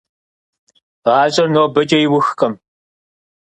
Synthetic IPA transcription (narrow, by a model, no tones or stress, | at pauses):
ʁaːɕʼɐrnoːbɐt͡ʃʼɐjɪwʊxqʼɐm